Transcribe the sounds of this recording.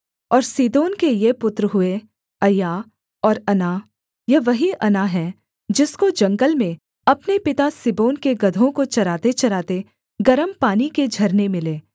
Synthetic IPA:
ɔːɾsiːd̪oːnkejepʊt̪ɾəɦʊe | ɐjaː | ɔːɾɐna | jɐʋɐɦiʔɐnaɦɛ̃ | d͡ʒɪskod͡ʒɐ̃ŋɡəlmẽ | ɐpnepɪt̪asɪboːnkeɡɐd̪ʱõkot͡ʃɐɾaːt̪et͡ʃɐɾaːt̪e | ɡɐɾəmpaːniked͡ʒʱɐɾnemɪleː

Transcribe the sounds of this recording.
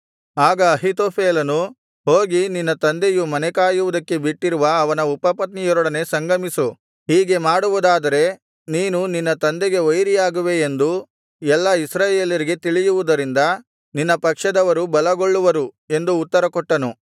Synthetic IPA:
aːɡɐːɦit̪oːpʰeːlɐnu | ɦoːɡininːɐt̪ɐnd̪ejumɐnɛkaːjuʋud̪ɐkːe̞biʈːiɾuʋɐːʋɐnɐupɐpɐt̪nijɔɾɔɽɐne̞sɐŋɡɐmisu | ɦiːɡe̞maːɽuʋud̪aːd̪ɐɾe̞ | niːnuninːɐt̪ɐnd̪eɡe̞ʋojɾijaːɡuʋe̞ːnd̪u | ɛlːɐisɾaːje̞ːljɐɾiɡe̞t̪iɭijuʋud̪ɐɾind̪ɐ | ninːɐpɐkʂɐd̪ɐʋɐɾubɐlɐɡoɭːuʋɐɾu | e̞nd̪uːt̪ːɐɾɐkɔʈːɐnu

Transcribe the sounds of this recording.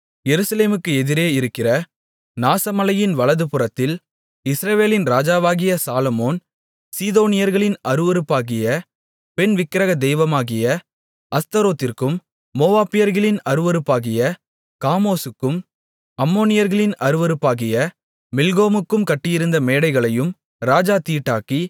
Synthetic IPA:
jɛɾɯsɐleːmɯkːɯɛðɪɾeːɪɾɯkːɪrɐ | naːsɐmɐlɐjɪnʋɐɭɐðɯpɯrɐt̪ːɪl | ɪsɾɐʋeːlɪnɾaːd͡ʒaːʋaːɣɪjɐsaːlɐmoːn | siːðoːnɪjɐɾɣɐɭɪnɐɾɯʋɐɾɯpːaːɣɪjɐ | pɛnʋɪkːɪɾɐɣɐd̪ɛjʋɐmaːɣɪjɐ | ʔɐst̪ɐɾoːt̪ːɪrkɯmː | oːʋaːpːɪjɐɾɣɐɭɪnɐɾɯʋɐɾɯpːaːɣɪjɐ | kaːmoːsɯkːɯm | ɐmːoːnɪjɐɾɣɐɭɪnɐɾɯʋɐɾɯpːaːɣɪjɐː | ɪlɣoːmɯkːɯmkɐʈːɪjɪɾɯnd̪ɐmeːɽɐɪɣɐɭɐjɯm | ɾaːd͡ʒaːt̪iːʈːaːki

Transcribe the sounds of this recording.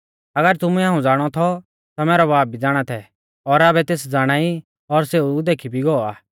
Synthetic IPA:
ɐɡəɾt̪ʊmuɛaːũd͡zaːɽ̃ɔt̪ʰɔ | t̪amɛːɾɔbaːb̚bʱid͡zaːɽ̃at̪ʰɛ | ɔɾaːbɛt̪eːsd͡zaːɽ̃aːi | ɔɾseːud̪eːkʰibʱiɡɔaː

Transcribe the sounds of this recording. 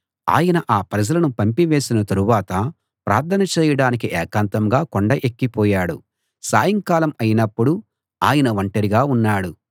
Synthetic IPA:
a̰ːjɐnɐʔaːpɾɐd͡ʒɐlɐnupɐmpiʋe̞ːsinɐt̪ɐɾuʋaːt̪ɐ | pɾʔaːɾt̪ʰːɐnɐt͡ʃɛːjɐɽaːnik̬iʔɛːkaːnt̪ɐmɡaːkoɳɖɐʔekːipɔːjaːɽṵ | saːjɐŋkaːlɐmɐjinɐpːuɽu | aːjɐnɐʋɐɳʈɐɾiɡaːunːaːɽu

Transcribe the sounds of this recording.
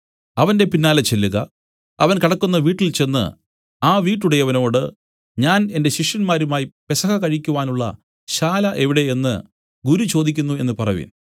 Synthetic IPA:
ɐʋɐnde̞pinːaːlɐt͡ɕe̞lːuɣɐ̰ | ɐ̰ʋɐnkɐɽɐkːunːɐʋiːʈːilt͡ɕe̞nːɨ̰ | aːʋiːʈːuɽejɐʋɐno̞ːɽɨ | ɲaːne̞nde̞ɕiʂjɐnmaːɾumaːjipe̞sɐɣɐkɐɻikʲːuʋaːnuɭːɐ̰ | ɕaːlɐʔeʋiɽe̞e̞nːɨ̰ | ɡuɾut͡ɕo̞ːd̪ikʲːunːue̞̰nːɨpɐrɐʋḭːn

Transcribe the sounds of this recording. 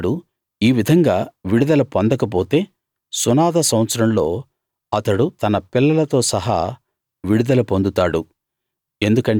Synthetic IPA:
ɽu | iːʋid̪ʱɐŋɡaːʋiɽud̪ɐlɐpond̪ɐkɐp̬o̞ːt̪e̞ː | sunaːd̪ɐsɐmɐt̪sɐɾɐmlo̞ː | ɐt̪ɐɽut̪ɐnɐpilːɐlɐt̪o̞ːsɐɦa̰ː | ʋiɽud̪ɐlɐpond̪ut̪aːɽu | e̞nd̪ukɐɳ

